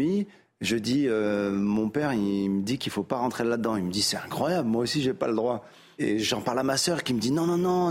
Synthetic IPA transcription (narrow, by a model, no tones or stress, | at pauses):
i | ʒəd̪iømɔ̃pɛʁiməd̪ikilfopaʁɑ̃t̪χelad̪d̪ɑ̃ilməd̪isɛt̪ɛ̃kχwajablmwaosiʒɛpa̰ləd̪ʁwa | ḛʒɑ̃paʁlamasœʁkʲiməd̪inɔ̃nɔ̃nɔ̃